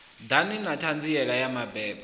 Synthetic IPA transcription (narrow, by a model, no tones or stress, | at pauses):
daninatʰand͡ziɛɺajamabɛːb